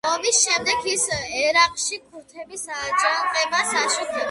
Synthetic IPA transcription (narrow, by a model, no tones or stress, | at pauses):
ɔmisʃɛmd̪ɛkʰisɛɾaqʼʃikʰuɾt̪ʰɛbisaːt͡ʃʼɾaqʼɛbasaʃut̪ʰɛ